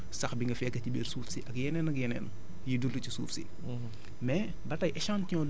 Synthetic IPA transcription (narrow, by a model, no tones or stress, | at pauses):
sɐxbiŋɡɐfɛːkːɐtibɛːɾsuːfsiʔɐkjɛnɛnɐkjɛnɛ̰ːn | jidultucisṵːfsḭ | mɛ | bɐtɐjʔɛʃãntiɲɔd